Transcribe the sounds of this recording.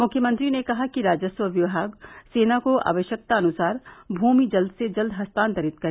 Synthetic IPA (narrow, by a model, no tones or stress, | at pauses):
mʊkʰjəmə̃nt̪ɾinekɐɦakiɾaːd͡ʒəswəʋjɐʋɦaːɡseːnakoʔa̰ːʋəʃjək̚t̪aɐnʊsaːɾbʱuːmid͡ʒɐld̪ʱsed͡ʒɐld̪ʱɦɐst̪ãːnt̪əɾɪt̪kɐɾeː